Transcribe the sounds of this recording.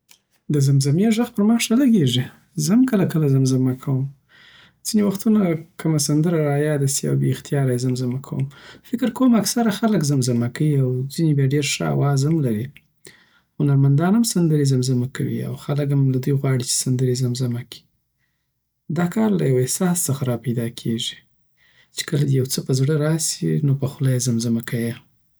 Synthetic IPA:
d̪əzamzamjeʒəxpəɾmɑʂalaɡeʐi | zəmkəlakəlazamzamakʰawəm | z̥inewaxt̪unakəmasand̪əɾaɾɑjɑd̪asia̰wbḛxt̪jɑɾajzamzamakʰa̰wə̰mfɪkɪɾkowmaksaɾaxaləkzamzamakaiawzinebjɑɖeɾʂa̰a̰wɑzamlaɾi | hʊnaɾmand̪ɑnamsand̪əɾezamzamakawḭa̰wxaləkamlad̪ujɣwɑɽit͡ʃe̥sand̪əɾezamzamakʰi̥ | d̪ɑkɑɾla̰jawehsɑst͡səxaɾɑpajd̪ɑkʰeʒi̥ | t͡ʃe̥kəlad̪əjawt͡səpəzɽəɾɑsḭnopəxʊlajzamzamakaje

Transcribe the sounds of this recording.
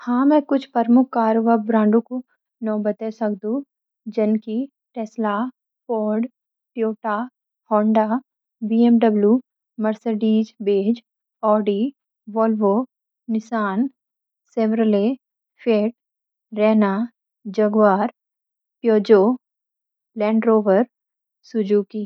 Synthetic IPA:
hãːmɛ̃kʊt͡ʃʰpɐɾmʊk̚ʰkaːɾʋəbɾãːɳɖõko | nɔ̃ːbɐt̪esɐkd̪ũ | d͡ʒɐnki | ʈɛːsla | poːɖ | ʈjoːʈaː | hɔːɳɖaː | biːemɖɐbljuː | mɐɾseɖiːd͡ʒbeːd͡ʒ | ɔːɖi | ʋɔːlʋo | nɪsaːn | seʋɾəle | fʰeːʈ̚ | ɾɛːna | d͡ʒɐɡʋaːɾ | pjoːd͡ʒoː | lɛ̃ːɳɖɾoːʋəɾ | sʊd͡ʒukiː

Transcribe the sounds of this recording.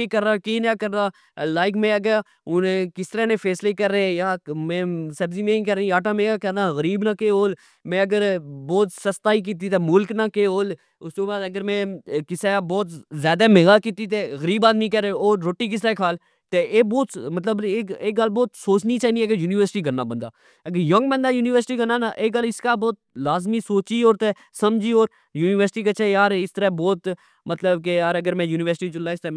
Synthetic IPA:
ekəɾːaːkeːnaːkəɾnaː | laːɪkmẽːəɡə | ʊnẽːkɪst̪əɾaːnẽːfʰɛːsleːkəɾːeẽjaːmɛ̃ːsəbziːmẽːkəɾeĩaːʈãːmẽːɡaːkəɾnaːɣəɾiːbnaːkeːɦoːl | mɛ̃ːəɡəɾbɔːt̪səst̪aːiːk̬iːt̪̬it̪ʰeːmʊlknaːkeːɦoːl | ʊsoːbaːəɡəɾmɛ̃ːkɪsabɔːt̪zjaːd̪aːmeːɡaːkiːt̪it̪ʰeːɣəɾiːbaːd̪mĩkɛɾeoːɾːoːʈːiːk̬ɪseːkʰaːl | t̪eʔeːbɔːt̪mət̪ləbeːeːkɡəlbɔːt̪soːt͡ʃnit͡ʃaːiniɛːkejuːniːʋəɾsɪ̥ʈiːkəɾna̰ːbə̃nd̪a̰ː | əɡəɾjəŋɡbə̃nd̪aːjuːnɪʋəɾsʈiːkəɾnaːnaʔeːɡəlɪskaːbɔːt̪̚laːzmiːsoːt͡ʃiːoːɾt̪eː | səmd͡ʒiːoːɾ | juːnɪʋəɾsʈiːkət͡ʃʰeːjaːɾɪst̪əɾaːbɔːt̪ | mət̪ləbkejaːɾəɡəɾmɛ̃ːjuːnɪʋəɾsɪʈiːd͡ʒʊlːaːɪst̪eː

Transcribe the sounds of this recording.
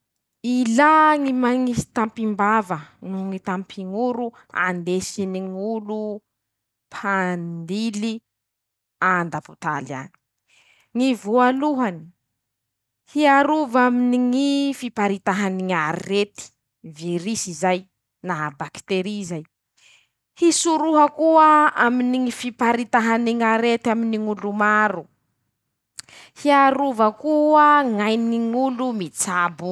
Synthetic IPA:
ilaŋimaŋisi̥t̪ampimbavənuŋit̪ampʰiŋuɾu | a̰nd̪esiniŋulu | pʰand̪ili | and̪apu̥t̪a̰lia̰ni̥ | ŋivualuɦani̥ | hiaɾuvaminiŋifipaɾit̪aɦaniŋaɾiret̪i̥ | viɾisizaj | naɦabakt̪eɾizaj | hisuɾuɦakuaaminiŋifipaɾit̪aɦaniŋaɾet̪aminiŋulumaɾu | hiaɾuvakuaŋajniŋulumit͡sabu

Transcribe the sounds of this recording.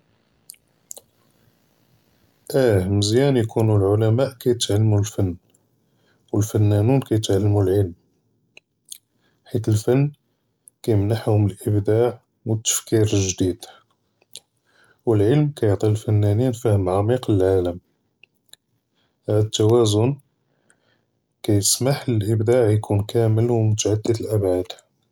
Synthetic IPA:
ʔæhməzjænjkʰunulʕʊlæmæʔkæjət̪ʕalːmulfənː | wəlfənːænunkæjət̪ʕalːmulʕəlm | ħit̪əlfənː | kæjəmnaħhʊməlʔəbd̪aʕ | wət̪ːə̥fkiɾʒd̪id̪̥ | wəlʕəlmkæjəʕt̪ˤilfənːæninfæhəmʕamiqləlʕaləm | hæd̪ət̪ːæwæzʊn | kæjəsmaħəlʔəbd̪aʕjkʰunkʰæməlwmʊt̪aʕad̪ːəd̪əlʔæbʕad̪̥

